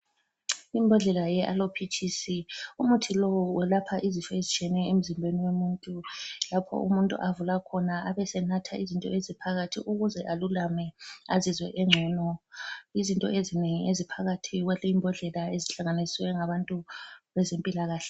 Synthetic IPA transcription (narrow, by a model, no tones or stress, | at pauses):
imbʱɛɮɛlajɛʔalopʰit͡ʃʰʼisiumutʰilɔwwɛlapʰaʔizifɛezit͡ʃʰʼiɛnɛem̩zimbʱeniwemuntʼulapʰɔ̰ʔṵmuntʼṵʔavulakʰɔnaʔaβɛsɛnatʰaʔizintʼɔ̰ezipʰaɣatʰḭʔuɣuzɛʔalulamɛazizwɛ̰ʔɛŋ͡ǁʱɛːnɔizintʼɔ̰ezineŋiezipʰaɣatʰiɣwɛlɛimbʱɛɮɛlaeziɬaŋanisiwɛŋaβantʼuβɛzempʼilaɣaːɬɛ̥